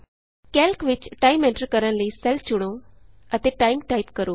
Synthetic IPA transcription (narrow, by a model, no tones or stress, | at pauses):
kɛːlkʋɪt͡ʃʈaːimɛ̃ɳʈəɾkəɾə̃nləisɛlft͡ʃʊɽ̃o | ət̪eːʈaːimʈaːipkəɾoː